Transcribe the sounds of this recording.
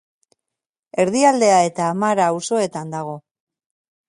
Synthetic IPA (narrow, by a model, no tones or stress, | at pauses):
e̞ɾðiald̪e̞ae̞t̪aːmaɾaːwso̞e̞t̪and̪aɣ̞o̞